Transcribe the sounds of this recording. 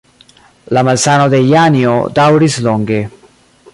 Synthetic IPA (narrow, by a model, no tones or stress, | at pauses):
lamalsanod̪ejanio̰d̪awɾisloŋɡe